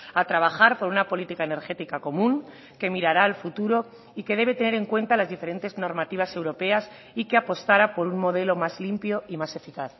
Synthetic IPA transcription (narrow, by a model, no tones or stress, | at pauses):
at̪ɾaβ̞axaɾpo̞ɾunapo̞lit̪ikaene̞ɾxe̞t̪ikako̞mũŋ | ke̞miɾaɾaːlfut̪uɾo̞ | ike̞ð̞e̞βe̞t̪ene̞ɾe̞ŋkwe̞nt̪alazðife̞ɾe̞nt̪e̞zno̞ɾmat̪iβ̞ase̞wɾo̞pe̞as | ike̞apo̞st̪aɾapo̞ɾunmo̞ð̞e̞lo̞mazlimpjoimase̞fikaθ